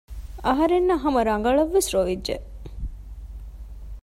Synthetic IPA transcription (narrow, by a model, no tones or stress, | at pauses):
ɐɦɐɾenːɐɦɐmɐɾɐŋ̆ɡɐɭɐʋːesɾoʋidʒḛ